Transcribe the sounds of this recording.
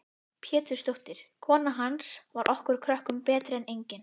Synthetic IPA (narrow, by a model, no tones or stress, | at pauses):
pʰjɛːt̪ʏɾ̥st̪owht̪ɪɾ̥kʰɔːnaɦansvaɾʔɔhkʏɾ̥kʰɾœhkʏmpɛːt̪ɾɪɛnejɲcɪn